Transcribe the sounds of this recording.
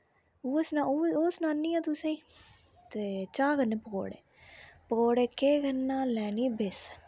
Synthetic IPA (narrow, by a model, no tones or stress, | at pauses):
uːəsnaoːsnãːnːiːãːt̪ʊsẽ | t̪eːt͡ʃaːɡənːeːpəɡo̰ːɽḛː | pəɡoːɽeːkeːɡənːaːlɛːniːbes